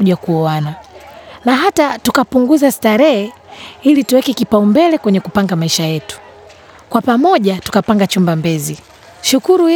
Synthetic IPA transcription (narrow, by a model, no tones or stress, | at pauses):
uʄakuɔananaɦatatukapuŋɡuzastaɾɛhɛilituwɛkɛkipaumbɛlɛkwɛɲɛkupaŋɡamaiʃajɛtu̥ | kwapamɔʄatu̥kapaŋɡat͡ʃumbambɛzi | ʃukuɾu